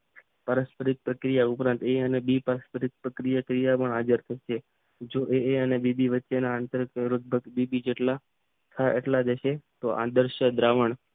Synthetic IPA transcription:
pəɾəspəɾik̪̚pɾəkɾijaʊpɾãnt̪eənebipəɾəspəɾik̪̚pɾəkɾijakɾijapəɳad͡ʒəɾt̪ʰəʃe | d͡ʒoʔeeənebibiʋətːʃenaənt̪əɾləɡ̚bʱəɡbibid͡ʒeʈla | t̪ʰaʔḛʈlad̪eʃet̪oʔa̰d̪əɾʃəd̪ɾaʋəɳ

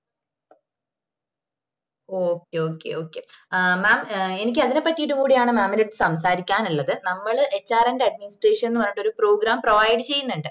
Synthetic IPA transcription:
oːkːeo̞ːkːe̞̰o̞ːkːe̞maːme̞nik̬ʲːɨɐðinepːɐʈːijiʈːumkuːɽijaːɳɨmaːmːɐniʈːɨsɐmsaːɾikʲːaːnuɭːɐðɨnɐmːɐɭʔe̞t͡ɕːaːɾɐndeɐɖ̚minisʈreːʂɐne̞nːɨʋɐnːiuʈːo̞ɾupro̞ːɡɾaːmprɐʋajɖɨt͡ɕe̞jːunːuɳɖɨ

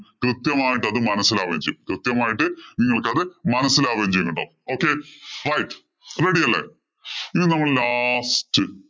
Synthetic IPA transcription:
krɨt̪jɐmaːjiʈ̬ːɐðɨmɐnɐsːilaːʋɐɐmd͡ʑejukrɨt̪jɐmaːjiʈːɨniŋːɐɭkɨɐðɨmɐnɐsːilaːʋɐɲd͡ʑejunːɐɳɖo̰ː | o̞ːkːerɐjʈ | reɽijɐlːḛ | inːinɐmːɐɭlaːstɨ

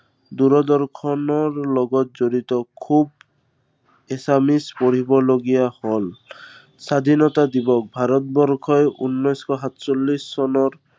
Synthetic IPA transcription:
d̪uɹɔd̪ɔɹkʰɔnɔɹlɔɡɔt̚zoɹit̪ɔkʰub | esamispɔɹibɔloɡijahol | sad̪ʱinɔt̪ad̪ibɔk̚bʱaɾɔt̪̚bɔɾkʰɔjunːɔjskʰɔɦat̪solːisːɔnɔɹ

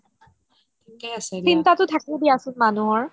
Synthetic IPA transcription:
kaasɛsintatʊtʰakilediasʊnmanuɦɔɹ

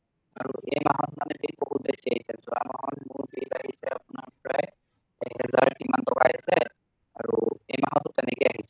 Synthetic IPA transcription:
aɹuʔejmaɦɔtmanɛpek̚boɦut̚besiaɦisɛzɔa̰maɦɔtmʊɹbitaɦisɛapʊnaɹpɔɹaj | ɛɦɛzaɹkimantɔkajasɛ | aɹuejmaɦɔtːʊtɛnɛkɛjaɦisɛ̥

